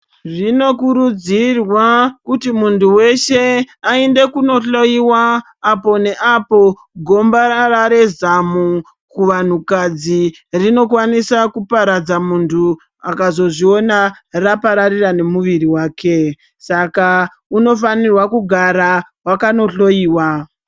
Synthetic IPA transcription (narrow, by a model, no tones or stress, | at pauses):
rino̞kuɾud͡zirwakutimuntʰuwe̞ʃe̞ | aende̞kuno̞ɬo̞iwaː | po̞ne̞ʔapo̞ | ɡʱo̞mbaraɾe̞zamu | kuʋan̤ukad͡zi | rino̞kwanisakupaɾad͡zamuntʰu | akazo̞ʐio̞narapaɾarirane̞muʋiriwaːkʰe̞ | saka | uno̞fanirwakuɡʱaɾa | wakano̞ɬo̞jiːwa